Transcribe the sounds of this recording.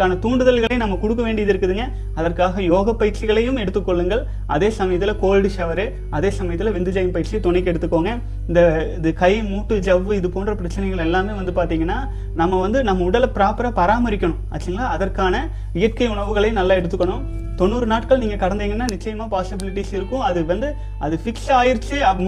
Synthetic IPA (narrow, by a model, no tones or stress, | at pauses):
kːaːnɐt̪uːɳɖɯðɐlɣɐɭɐɪnɐmːɐkʊɽɯk̬ːɐʋeːɳɖɪɐðɪɾɯkːɯðɯŋɡɐ | ɐðɐrkaːɣɐjoːɣɐpːɐjɪɾt͡ʃɪɣɐɭɐjɯmɛɽɯt̪ːɯkːɔɭːɯŋɡɐɭ | ʔɐðeːsɐmɐjɐt̪ːɪlɐkoːlɽɯsɐʋɐɾɯ | ɐðeːsɐmɐjɐt̪ːɪlɐʋɪnd̪ɯd͡ʒɐjɐmpɐjɪɾt͡ʃiɐt̪ɔɳɐɪk̬ːɛɽɯt̪ːɯkːoːŋɡɐ | ɪnd̪ɐɪðɯkɐɪmuːʈːɯd͡ʒɐʋːɯɪðɯpoːndrɐpɪɾɐt͡ʃːɪnɐɪɣɐɭɛlːaːmɯʋɐnd̪ɯpaːɾt̪iːŋɡɐnːaː | nɐmːɐʋɐnd̪ɯnɐmːɐʊɽɐlpɪɾaːpɐɾɐpɐɾaːmɐɾɪkʲːɐɳʊ̃pa̰ːt͡ʃːiŋɡɐnaːɐðɐrkaːnɐ | ɪjɐʈ̚kɐɪʊɳɐʋɯɣɐɭɐjnɐlːaːɛɽɯt̪ːɯkːɐɳʊ̃m | t̪ɔnːuːɾɯnaːʈkɐɭniːŋɡɐkɐɽɐnd̪iːŋɡɐnːaːnɪt͡ʃːɐjɐmaːpaːsɪbɪlɪʈːisɪɾɯkːʊ̃ɐðɯʋɐnd̪ɯ | ɐðɯfɪksaːjɪɾt͡ʃːɯ